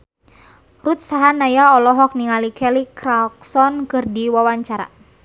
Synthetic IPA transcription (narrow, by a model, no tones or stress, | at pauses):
rut̪̚saɦanajaɔlɔɦɔk̚niŋalikɛlikɾalksɔnkɨrdiwawaɲt͡ʃaɾa̰